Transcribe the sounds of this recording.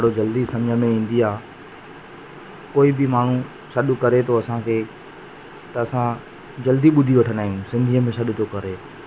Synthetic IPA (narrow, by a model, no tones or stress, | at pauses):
ɽod͡ʑɐld̪isɐ̃md͡ʑʱəmẽĩːn̆d̪iaː | koːibɪmaːɳ̤ũ | sɐɗʊkɐɾet̪ʰoɐsãkʰeː | t̪ɐɐsã | d͡ʑɐld̪iɓʊd̪ʱiʋɐʈʰənaːɦijũsɪ̃nd̪ʱiəmẽsɐɗʊt̪ʰokɐɾeː